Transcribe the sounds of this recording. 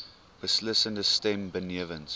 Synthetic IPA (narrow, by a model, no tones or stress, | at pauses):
wəslɪsə̃ntəstɛ̃mbənivə̃ns